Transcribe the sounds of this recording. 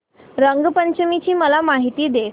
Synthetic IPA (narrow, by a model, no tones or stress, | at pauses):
ɾəŋɡpəɲt͡ɕmit͡ɕiːməlamaɦit̪iːd̪e